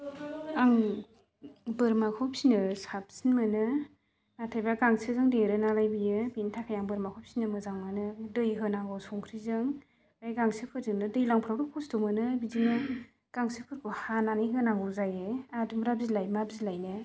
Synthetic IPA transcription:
aŋ | bɯɾmakʰɔpsinɯsap̚sinmɯnɯ | natʰajbaɡaŋsʰɯzɯŋdeɾɯnalajbijɯbintʰakʰajaŋbɯɾmakʰɔp̚sinɯmɯzaŋmanɯdɯjɦɯnaŋɡɔsɔŋkʰɾizɯŋ | ajɡaŋsepʰɯɾzɯnɯdɯjlaŋpʰɾawɾɯkʰɔstumɯnɯbizinɯ | ɡ̥aŋsɯpʰɯɾkʰuhananɯjɦɯnaŋɡɔzajeadumɾab̚zilajmabzilajnɯ

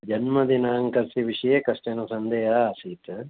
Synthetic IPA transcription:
d͡ʒɐnmɐd̪inɐɦɐŋkɐɾsiʋiʂɐjeːkɐʂʈɐnɐsɐnd̪eːɦɐːsit̪

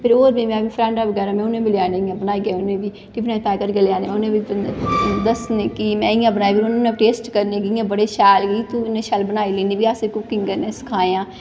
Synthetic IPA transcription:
pʰɪɾoːɾbiːmɛ̃ːbiːpʰɾɛ̃ːɳɖaːʋəɡɛːɾaːmɛ̃ʊnẽːbɪlaːnẽːijãːbənaːiːɡeʊnẽːbiː | ʈiːbinãːd͡ʒpɛːkəɾɡəleaːneːmɛ̃ːʊnẽːbi | d̪əsneːkimɛ̃ːɪjãːbənaːiːbɪʊnːnẽːʈeːsʈkəɾneːɡɪãːbəɽeːʃɛːlɡit̪unẽːʃɛːlbənaːiːleːniːbiːasekʊkːɪ̃ŋɡkəɾnẽːsɪ̥kʰaːeãː

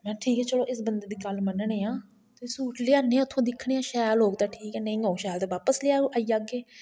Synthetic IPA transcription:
mɛ̃ːʈʰiːkɛːt͡ʃəloːʔɪsbənd̪eːd̪iːɡəlmənəɳeːãː | t̪ːsuːʈʰleːaːneːãːʊt̪ʰːõːd̪ɪkʰːɽẽːãːʃɛːjlɦoːkt̪aːʈʰiːkɛːnə̃ĩːoːʃɛːlt̪eːʋaːpəsleaːuːʔaːiːaːɡeː

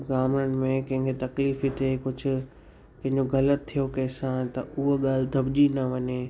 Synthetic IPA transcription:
ɡaːməɽ̃̆mẽkɐ̃ɦɪ̃ŋɡet̪ɐkliːfit̪ekʊd͡ʑʱʊ̆ | kɐ̃ɦɪ̃ɲ̆d͡ʑoɡɐlət̪ʰːijokɛ̃ːsãːt̪ɐʊɦoɠaːl̤ɪd̪ʱɐbʄinɐʋɐɲeː

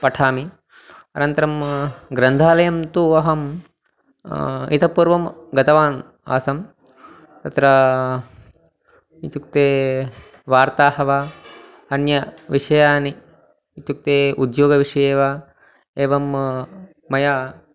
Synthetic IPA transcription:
pɐʈʰaːmi | ɐnɐnt̪ɐɾɐmɡɾɐnd̪ʱaːlɐjɐmt̪uɐɦɐm | ḭt̪ʰɐpuːɾʋɐmɡɐt̪ɐʋaːn | a̰ːsɐm | t̪ɐt̪ɾɐ | it̪juk̚t̪eː | ʋaːɾt̪aːhɐʋa | ɐnjɐʋiʂɐjaːni | it̪uk̚t̪eːud̪joːɡɐʋiʂɐjeːʋa | eːʋɐmː | ɐjaː

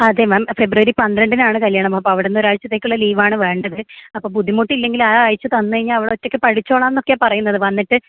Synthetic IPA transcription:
ɐd̪emaːmfe̞bruʋɐɾipɐnd̪ɾɐɳɖinaːɳɨkɐljaːɳɐmpːoːɐpːoːɐʋiɽenːo̞ɾaːjɻt͡ɕːɐt̪ːeːkʲːuɭːɐliːʋaːɳɨʋe̞ːɳɖɐðɨɐpːoːbud̪ʱːimuʈːilːe̞ŋɡilaːjt͡ɕːɨt̪ɐnːɨkɐɻiɲːaːlɐʋiɽeotːo̞kːɨpɐɽit͡ɕːo̞ːɭaːmenːo̞kːejampɐrɐjunːɐðɨʋɐnːiʈːɨ

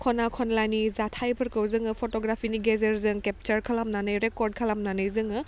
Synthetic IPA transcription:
kʰɔnakʰɔnlanizatʰajpʰɯɐɾkɯwzɯŋɯpʰotɔɡɾapʰiniɡezeɾzɯŋkep̚t͡ʃɐɾkʰalamnanɯjɾekɔɾd̚kʰalamnanɯjzɯŋɯ

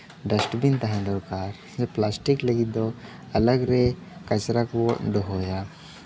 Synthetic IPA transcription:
ɖəsʈbint̪aɦãd̪ɔɾkaɾ | d͡ʒɛplasʈikləɡid̪ɔ | ɐləɡɾɛ | kɐt͡ʃɾakwɔʔd̪ɔɦɔja

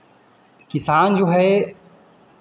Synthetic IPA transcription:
kɪsaːnd͡ʒoːɦɛ

